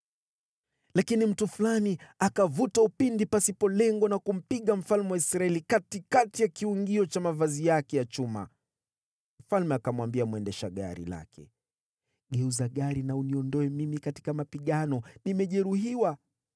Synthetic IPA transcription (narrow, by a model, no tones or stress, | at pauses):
lakinim̩tufulaniakavutaupindipasipɔlɛŋɡɔnakum̩piɠam̩falmɛwaisɾaɛlikatikatijakiuŋɡiɔt͡ʃamavazijakɛjat͡ʃuma̰ | m̩falmɛakamwambiamwɛndɛʃaɠa̰ɾḭla̰kʰɛ̰ | ɠɛuzaɠaɾinauniɔndɔɛmimikati̥kamapiɠanɔnimɛʄɛɾuhiwa